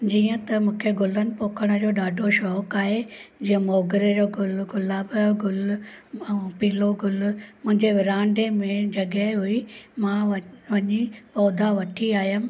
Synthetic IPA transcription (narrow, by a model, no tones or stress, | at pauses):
d͡ʑiːə̃t̪ɐmũːkʰeɡʊlənɪ̆poːkʰəɽ̃əd͡ʑoːɗaːɖʱoʃɔːkaːɦed͡ʑĩːə̃mɔːɡɪɾed͡ʑoɡʊlɡʊlaːbɡʊl | piːloɡʊlmʊ̃ɦɪ̃ɲd͡ʑeʋɪɾãːɳɖemẽd͡ʑɐɡɛɦɦuimãʋɐʋɐɲipɔːd̪ʱaʋɐʈʰiaːɦijəm̆